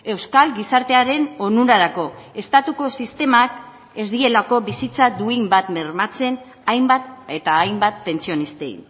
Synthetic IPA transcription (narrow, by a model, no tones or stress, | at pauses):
e̞wskalɡisaɾt̪e̞aɾe̞no̞nuɾaɾako̞e̞st̪at̪uko̞sist̪e̞mak | e̞zd̪ie̞lako̞βisit͡sad̪uimbat̪meɾmat͡se̞n | ajmbat̪et̪aːjmbat̪̚pe̞nt͡sio̞nist̪e̞ḭn